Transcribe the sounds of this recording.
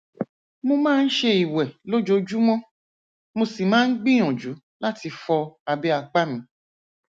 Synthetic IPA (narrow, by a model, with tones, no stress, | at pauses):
mõ˧mãː˦n̩˦ʃe˧i˨wɛ˨lo˦d͡ʒo˧d͡ʒu˦mɔ̃˦ | mo˧si˨mãː˦n̩˦ɡ͡bĩ˦ɔ̃˨d͡ʒu˨˦ | la˦ti˧fɔ˧a˧be˦a˧k͡pa˦mĩ˧˦